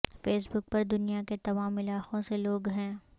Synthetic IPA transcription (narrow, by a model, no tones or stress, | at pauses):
feːs̬bʊk̚pɐɾd̪ʊnijaket̪ɐʋaːmɪlaːxõseloːɡɦɛ̃ː